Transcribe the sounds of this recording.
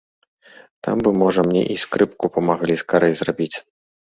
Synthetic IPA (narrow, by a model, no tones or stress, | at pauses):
t̪a̰mbɨmɔʐɐmnʲɛ̰ʔiskɾɨpkupɐmaɣlʲiskaɾɐjzɾabʲit͡sʲ